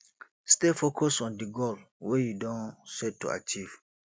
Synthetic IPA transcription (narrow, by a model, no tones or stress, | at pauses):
stefokʰɔsɔ̃ndiɡɔl | wejudɔ̃nsɛtːṵa̰t͡ʃiv̥